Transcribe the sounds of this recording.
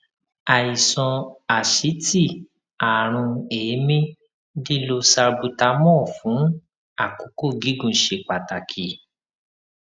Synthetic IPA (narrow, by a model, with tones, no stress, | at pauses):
a˨i˨sɔ̃˧a˨ʃi˨˦ti˦˨ | a˨ɾ̃ũ˧eː˨˦mĩ˦ | di˦lo˧sa˧bu˧ta˧˦mɔ̃˦˨fũ˨˦ | a˦˨ko˨˦ko˦˨ɡi˨˦ɡũ˧˦ʃe˧k͡pa˨ta˨kʰi˨